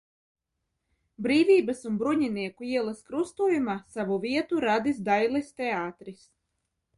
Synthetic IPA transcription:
bɾiːviːbasunbɾuɲiniɛkuiɛlˠaskɾust̪uːjumaːsavuviɛt̪uɾad̪is̬d̪ajlˠist̪eaːt̪ɾis

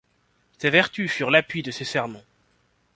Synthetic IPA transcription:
sevɛʁt̪yfyʁlapɥid̪əsesɛʁmɑ̃

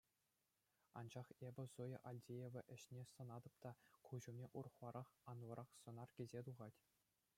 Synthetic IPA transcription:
ɑ̰nd͡ʑɑχebʲɘ̆zujɤʔɑlʲdʲejeʋʲɘ̆ʔɘ̆ɕnʲesɤ̆nɑd̪ɤ̆p̚t̪ɑkuʑumnʲeʔurɤ̆χlˠɑɾʔɑχɑnʋɤ̆ɾʔɑχsɤ̆nɑrkʲezʲet̪uʁɑtʲ

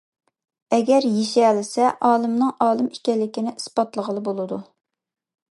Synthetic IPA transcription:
ɛɡʲɛɾjeʃɛlɪsɛʔɑːlˠɨmnɨŋʔɑːlˠɨmikʲɛlːɪkʲinɪʔɨsbɑt̪lˠəʁəlˠɨbolˠɨd̪u

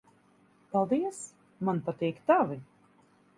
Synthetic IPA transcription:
palˠd̪iɛs | manpat̪ɛːkt̪avi

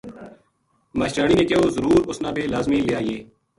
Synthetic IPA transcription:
maːʃɾaːɳiːnẽːkɪoːzəɾuːɾʊsnãːbʱeːlaːzmĩːlɪjaːjeː

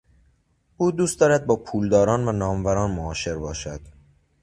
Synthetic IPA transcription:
uːd̪uːst̪ɒːɾæd̪̚bɒːpʰuːld̪ɒːɾɒːnvænɒːmvæɾɒːnmoɒːʃe̞ɾbɒːʃæd̪̥

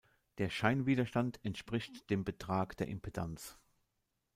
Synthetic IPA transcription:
d̥eːɐʃaɪnviːdɐʃtantɛntʃpʁ̥ɪçtd̥eːmbətʁ̥aːkd̥eːɐʔɪmpʰedʰant͡s

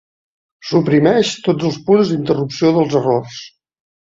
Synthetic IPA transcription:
supɾimɛʃt̪od͡zəlˠspunzd̪int̪ərupsioðəlˠzərors

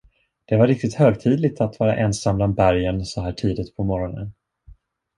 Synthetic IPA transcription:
d̪̥ɛvaɾɪk̚t̪ɪt̪høːɡt̪ʰiːd̪lɪɡ̚t̪ʰat̪vɑːɾa̰ʔɛnsambland̪̚bæɾjənsɔhæːʈʰiːd̪ɪt̪pʰɔmɔɾɔnə̰n

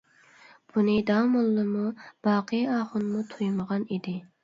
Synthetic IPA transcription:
b̥unɪd̪ɑːmulˠːɨmub̥ɑːqʰɨjɑːχʊnmut̪ʰujməʁɑnid̪ɪ

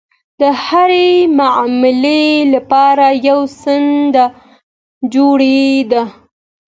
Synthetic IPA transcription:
d̪̥əhaɾemamɪlelapɑɾajawsənd̪a | d͡ʒoɽed̪a

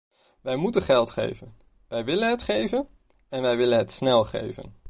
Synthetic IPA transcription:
ʋɛjmutənχɛlˠtχḛjvən | ʋɛjʋɪlənɦətχejvən | ɛnʋɛjʋɪlə̃nɦətsnɛlˠχḛjvə̰n

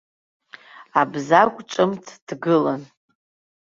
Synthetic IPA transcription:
abzakʷʼʈ͡ʂʼɨmtʰd̥ɡɨlan

